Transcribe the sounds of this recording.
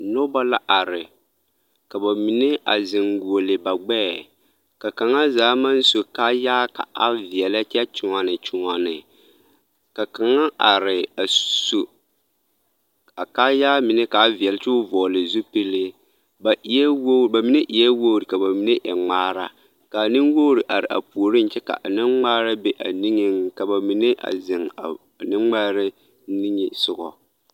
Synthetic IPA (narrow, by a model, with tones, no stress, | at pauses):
nɔ˦ba˦la˦ʔa˨ɾɪ˨ | ka˨ba˨mi˨ne˦ʔa̰˨zɪ˨ŋɡu˨o˨lɪ˨ba˨ɡ͡bɛː˦˨ | ka˨ka˨ŋa˦zaː˨˦ma˦n˦so˨ka˦jaː˦ka̰˨a˦vi˨ɛ˨la˦tɛ˦t͡ʃʊ˨ŋɔ˨nɪ˨t͡ʃʊ˨ŋɔ˨nɪ˨ | ka˨ka˨ŋa˦ʔa˨ɾɪ˨a˨so˨ | a˨kaː˦jaː˦mɪ˨nɛ˦ka˨˦vi˨ɛ˨lɪ˦t͡ʃʊ˦vɔː˨lɪ˨zu˦pi˦lɪ˦ | ba˨ʔi˨ɛ˦wo˦˨ba˨mi˨ne˦ʔi˨jɛ˦woː˦˨ɾɪ˨ka˨ba˨mi˨˦ne˦ʔɛ̰˨ŋ͡maː˦ɾa̰˦ | ka˨nɪ˦ŋwoː˦ɾi˨ʔa˨ɾɪ̰˨ʔa̰˨pu˨o˨ɾɪ˦n˦t͡ʃɛ˦ka̰˨ʔa˨nɪ˦ŋŋ͡maː˦ɾa˦bɛ˦ʔa̰˨ni˦ŋɪ˦ŋka˨ba˨mi˨ne˦ʔa̰˨zɪ˨ŋa˨ | nɪ˦ŋ͡ma˦ɾɪ˦ | ni˦ŋɪ˨sʊ˦ɡɔ̰˨